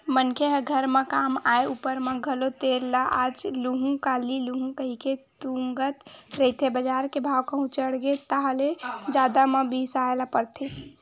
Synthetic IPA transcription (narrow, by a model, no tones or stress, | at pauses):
mənkʰeɦɡʱəɾmẽkaːmaeupəɾmẽɡʱəlot̪eɾlaʔad͡ʒluɦũkaːliluɦũkəɦiket̪uŋɡət̪ɾəɦit̪ʰebəd͡ʒaːɾkebʱaːwkəɦũt͡ʃəɽɡet̪aɦəled͡ʒaːd̪amə̃bisaelapəɾt̪ʰe